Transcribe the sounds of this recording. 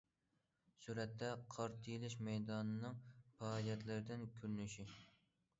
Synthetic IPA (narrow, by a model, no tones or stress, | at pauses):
suɾɛt̪ʰːɛqʰɑɾt̪ʰɨlɪʃmɛjd̪ɑːnɨnɨŋpɛːljɛt̪lɪɾɪd̪ɪnkʲʰøɾynyʃi